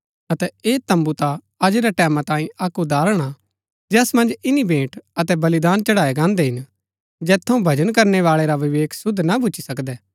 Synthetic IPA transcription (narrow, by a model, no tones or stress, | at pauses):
ɐt̪ɛeːt̪ɐ̃mbut̪a | ɐd͡ʒeɾɛʈɛːmãt̪ãːĩʔakːud̪aːɾəɽ̃a | d͡ʒɛːsmɐ̃nd͡ʒɪnibẽːʈɐt̪ɛbɐlɪd̪aːnt͡ʃɐɽaːeɡãːnd̪ɛɦɪn | d͡ʒɛːt̪ʰːɐũbʱɐd͡ʒənkɐɾneʋaːɭeɾaʋɪʋeːkʰsʊd̪ʱnabʊt͡ʃʰisɐkd̪ɛː